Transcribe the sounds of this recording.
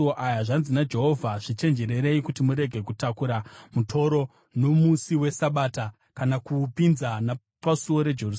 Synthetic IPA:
oʔajaʐanzinad͡ʒe̞ɦo̞vʱaʐ̥it͡ʃe̞nd͡ʒe̞ɾe̞ɾeikutimuɾe̞ɡʱe̞kutakuɾamutʰo̞ɾo̞ | no̞musiwe̞saɓaːta | kanakupinzana | pasuo̞ɾe̞d͡ʒerus

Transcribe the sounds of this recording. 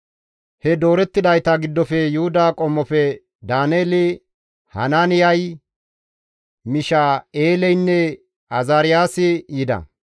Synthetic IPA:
hɛd̪o̞ːɾɛt̪ːɪd̪ɐjt̪ɐɡɪd̪ːɔfɛjʊhʊd̪aːkʼɔmːɔfɛ | d̪aːneːlɪ | hɐ̰naːnɪjɐj | mɪʃaːeːlɛjnːɛ | ɐzaːɾɪjaːsɪjɪd̪ɐ̰

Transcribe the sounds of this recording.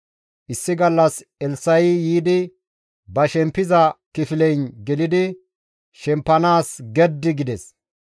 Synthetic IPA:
ʔɪsːɪɡɐlːɐsɛlsɐjjiːd̪ɪ | bɐʃɛmpːɪzɐkɪfɪlɛjnɡɛlɪd̪ɪ | ʃɛmpːɐnaːsɡɛd̪ːɪɡɪd̪ɛs

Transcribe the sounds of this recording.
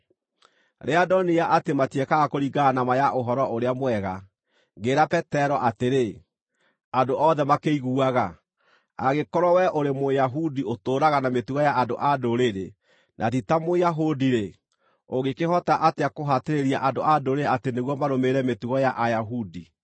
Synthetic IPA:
ɾeadɔnijaʔatematiɛkaɣakoɾiɡanamajaʔoɦɔɾɔʔoɾeamwɛɣa | ŋɡeɾapɛtɛɾɔʔateɾe | andoʔɔðɛmakeiɣuaɣa | a̰ɣekɔɾɔwɛʔoɾemojaɦudiotoːɾaɣanametuɣɔjaʔːndo̰ʔadoɾeɾe | nʔatitamojaɦodiɾe | oɣekeɦɔtaʔateakoɦateɾeɾiaʔandoʔadoɾeateneɣwɔmaɾomeɾɛmetuɣɔjaʔajaɦudi

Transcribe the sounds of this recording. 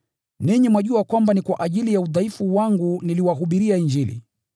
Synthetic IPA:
niɲɛmwaʄuakwambanikwaʔaʄilijauðaifuwaŋɡuniliwaɦuɓiɾiaiɲd͡ʒilḭ

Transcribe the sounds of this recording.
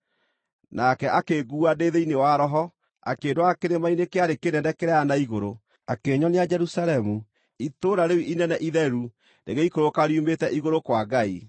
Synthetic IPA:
nakɛʔakeɡuːadeðeinewaɾɔɦɔ | a̰keːndowakeɾemainekeaɾekenɛndɛkeɾɛanaiɣoɾo | akeːɲɔnead͡ʒɛɾusaɾɛmu | itoɾaɾewiʔinɛnɛʔiðɛɾu | ndḛɣeikoɾokaɾiumetɛʔiɣoɾokwaɡai

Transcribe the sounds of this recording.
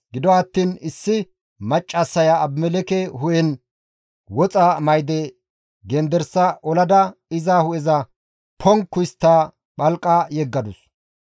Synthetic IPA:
ɡɪd̪ɔɐt̪ːiːnɪsːɪ | mɐt͡ʃʼːɐsːɐjaːbmːɛlɛkɛɦʊjɛn | wɔt͡sʼɐmɐjd̪ɛ | ɡɛnd̪ɛɾsːɐʔɔlɐd̪ɐɪzahʊɛzɐ | pʰɔŋkːʊjɪst̪ːaː | ɓɐlkʼːajɛɡːɐd̪ʊs

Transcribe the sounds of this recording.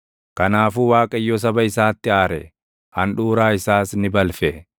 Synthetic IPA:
kɐnaːfuːwaːkʼɐɪjːɔs̬ɐbɐɪsaːt̪ːɪaːɾɛ̰ | ʔɐnᶑuːɾaːɪsaːsnɪbɐlfɛ

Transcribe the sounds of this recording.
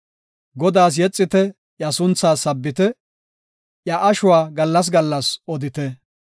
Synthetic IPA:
ɡɔd̪aːs̬jɛt͡sʼːɪt̪ɛ | jɐsʊnt͡sːaːsɐbːɪt̪ɛ | jɐʔɐʃʊwaːɡɐlːɐs̬ɡɐlːɐsɔd̪ɪt̪ɛ

